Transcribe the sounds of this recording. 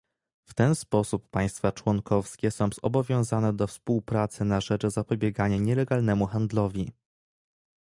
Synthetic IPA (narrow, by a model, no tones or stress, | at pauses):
ft̪ɛnspɔsupːaj̃st̪fat͡ʂwɔŋkɔfskʲɛsɔ̃w̃zɔ̰bɔvʲjɔ̃w̃zanɛd̪ɔfspuwpɾat̪sɘnaʐɛt͡ʂzapɔbʲjɛɡaɲaɲɛlɛɡalnɛmuxand̪lɔvʲi